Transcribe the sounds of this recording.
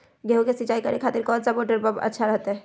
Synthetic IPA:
ɡʱeɦokesit͡ʃaːikəɾekʰaːt̪ɪɾkɔːdsəpoːʈəɾbəbɐ̰tːʃʰaɾəɦt̪ɦɛ

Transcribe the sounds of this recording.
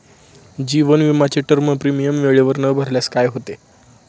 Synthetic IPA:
d͡ʑiʋənʋimat͡ɕeʈəɾməpɾimijəmʋeɭeʋəɾnəbʱəɾljaskajɦot̪e

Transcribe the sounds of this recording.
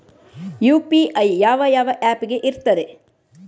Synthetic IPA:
juːpiʔɐjjaːʋɐjaːʋɐʔæːpiɡe̞ʔiɾt̪ːɐɾe

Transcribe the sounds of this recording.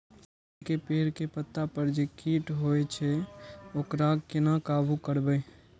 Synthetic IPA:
kepeːɾkepət̪ːapəɾd͡ʒekiːʈɦoet͡ʃʰɛokɾaɡkɪnakaːbukəɾbəj

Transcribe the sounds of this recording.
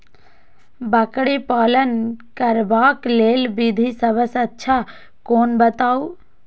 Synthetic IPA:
bəkɽipaːlənkəɾbaːkleːlbid̪ʱisəbəsətːʃʰa | koːnbət̪aːu

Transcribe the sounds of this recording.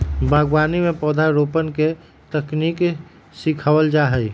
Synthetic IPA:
bʱaːɡwaːnimẽpɔːd̪ʱaɾoːpənke | t̪əkniːk | sikʰaʋəld͡ʒaɦəi

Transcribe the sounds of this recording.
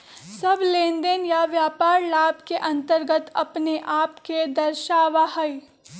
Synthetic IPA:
sɐblẽːnd̪ənjaʋjaːpaːɾlaːbkeʔɐ̃nt̪əɾɡət̪ɐ̰pneʔaːpked̪ɐɾʃaːʋaɦɐi

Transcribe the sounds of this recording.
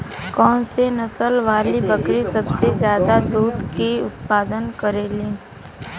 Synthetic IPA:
kɔːnsenɐsəlʋaːlibəkɾisɐbsezjaːd̪ad̪uːd̪kiʊt̪̚paːd̪ənkəɾeːliː

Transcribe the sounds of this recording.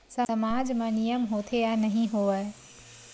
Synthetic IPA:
səəmaːd͡ʒmẽnijəmɦoːt̪ʰejanɐɦĩɦoːʋəe

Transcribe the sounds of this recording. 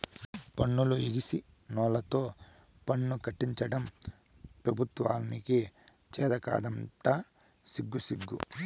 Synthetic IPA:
pɐɳːuluiɡisi | nɔːlɐt̪o̞ː | pɐɳːukɐʈːiɲt͡ʃɐɽɐm | pɾɐbʱut̪ʋa̰ːniki | t͡ʃɛːd̪ɐka̰ːd̪ɐmʈɐ | siɡːusiɡːṵ

